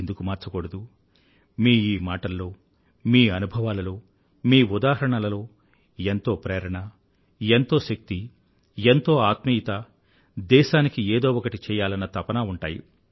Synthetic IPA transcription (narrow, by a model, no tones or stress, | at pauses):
end̪ukumaːɾt͡ʃɐkoɽɐd̪u | miːiːmaːʈɐlːo̞ː | miːɐnubʱɐʋaːlɐlo̞ː | miːud̪aːɦɐɾɐɳɐlɐlo̞ː | ent̪o̞ːpɾɛːɾɐɳɐ | ent̪o̞ːʃɐk̚t̪i | ent̪o̞ːaːt̪mɐit̪ɐ | d̪ɛːʃaːnikieːd̪o̞ːɔkɐʈit͡ʃɛːjaːlɐnːɐt̪ɐpɐnaːuɳʈa̰ːjḭ